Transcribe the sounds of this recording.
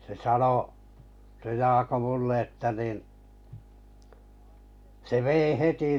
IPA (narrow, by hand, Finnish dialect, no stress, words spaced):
se sɑno se jɑːko mulːe etːæ niˑn se ʋeˑi heti